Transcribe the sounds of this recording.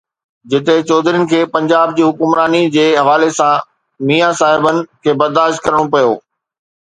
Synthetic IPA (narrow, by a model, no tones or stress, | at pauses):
d͡ʑɪt̪et͡ɕɔːd̪ʱɪɾiənɪ̆kʰeːpɐ̃ɲd͡ʑaːbd͡ʑiːɦʊkʊmɾaːnid͡ʑeːɦɐʋaːlesã | miːjasaːɦɪbənɪ̆kʰeːbɐɾd̪aːʃt̪̚kɐɾəɽ̃opɐjoː